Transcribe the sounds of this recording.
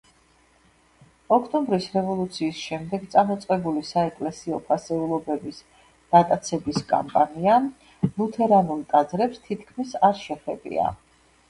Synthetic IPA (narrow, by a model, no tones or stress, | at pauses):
ɔkʰt̪ʼɔmbɾisɾɛvɔlˠut̪sʰiːsʃɛmd̪ɛɡt̪sʼamɔt̪sʼqʼɛbulisaɛkʼlɛsiɔpʰasɛulˠɔbɛbis | d̪̥at̪ʼat̪sʰɛbiskʼa̰mpʼania | lut̪ʰɛɾanulˠt̪ʼad̪zɾɛpst̪ʰit̪ʰkʰmisaɾʃɛpɛ̰bḭa̰